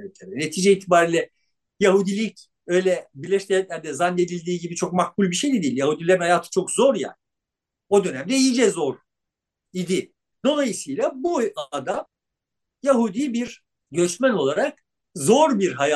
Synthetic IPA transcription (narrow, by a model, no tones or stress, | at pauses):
et̪ʰɛɾɛne̞t̪ʰiːd͡ʒɛiːt̪ʰibaːɾiːlʲɛ | jaɦud̪ilʲic | ø̞jlʲɛbilʲɛʃtʲɛanɛzanːe̞d̪ilʲd̪iːɟibit͡ʃʰo̞k̚mahkulʲbiʃe̞jd̪ɛd̪ijilʲjahud̪ilʲeɾinhajaːt̪ʰɯ̥t͡ʃʰo̞kzo̞ɾja̰ːnɪ | o̞d̪ø̞næmd̪ɛijid͡ʒɛzo̞ɾ | id̪i | d̪o̞lˠajɯsɯjlˠabuad̪am | jaɦud̪ibiɾ | ɟø̞t͡ʃmæno̞lˠaɾak̚ | zo̞ɾbiɾɦaja